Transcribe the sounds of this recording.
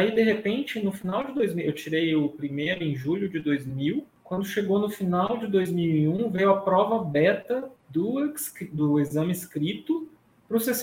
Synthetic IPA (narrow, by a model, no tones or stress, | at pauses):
aid̪eɦepẽnt͡ʃɪnʊfinawd͡ʒɪd̪ojzmiewt͡ʃiɾejʊpɾimejɾʊẽʒuʎʊd͡ʒɪd̪ojzmiwkwɐ̃nd̪ʊʃeɡownʊfinawd͡ʒɪd̪ojzmiwiũvejʊɐpɾɔvɐbɛt̪ɐd̪ʊskd̪ʊezɐ̃mɪskɾit̪ʊ | pɾʊses